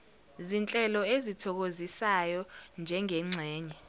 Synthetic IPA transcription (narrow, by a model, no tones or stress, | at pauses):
zint͡ɬʼɛlɔezitʰɔk̬ozisajɔnd͡ʒʱɛŋɛŋ͡ǀʱɛːɲɛ